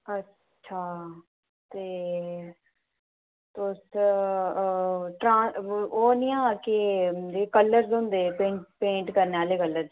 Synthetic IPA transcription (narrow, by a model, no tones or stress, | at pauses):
ətː | t͡ʃʰaː | t̪eː | t̪oʊs | ʈɾãːoːnɪːãːked͡ʒeːkəlːəɾzɦoʊ̃nd̪eːpẽːʈpẽːɳʈkəɾneːaːleːkəlːəɾ